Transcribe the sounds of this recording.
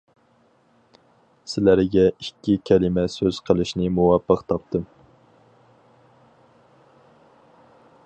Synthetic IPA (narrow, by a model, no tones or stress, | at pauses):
sɪlæɾɡʲɛikʲʰːikʲʰɛlɪmɛsøz̥qʰəlˠɨʃnɨmuwɑpːəqt̪ʰɑp̚t̪ʰɨm